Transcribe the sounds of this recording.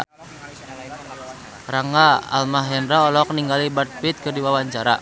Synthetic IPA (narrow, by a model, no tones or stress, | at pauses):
ɾaŋɡaa̰lmaɦɛnɾaɔlɔk̚niŋɡalibart̪̚pit̪̚kɨrdiwawaɲt͡ʃaɾa̰